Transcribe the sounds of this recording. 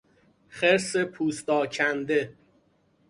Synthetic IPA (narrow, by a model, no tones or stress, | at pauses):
χeɾsepʰuːst̪ɒːcʰænd̪e̞